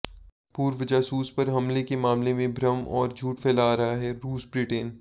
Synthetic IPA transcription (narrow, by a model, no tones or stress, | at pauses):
puːɾʋəd͡ʒaːsuːspɐɾɦɐmlekemaːmlemẽbʱɾɐmɔ̰ːɾd͡ʒʱuːʈfeːlaːɾɐɦaɦɛɾuːsbɾiːʈeːn